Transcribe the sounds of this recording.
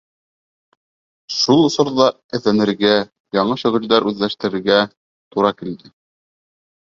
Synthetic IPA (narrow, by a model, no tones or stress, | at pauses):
ʃulˠŏsŏɾðɑ | ɘ̆θænɘ̆ɾɡæ | jɑɴɤʃɵ̆ɣɵ̆ld̪ɑɾʉðlæʃt̪ɘ̆ɾɘ̆ɾɡæ | t̪uɾɑkild̪ɘ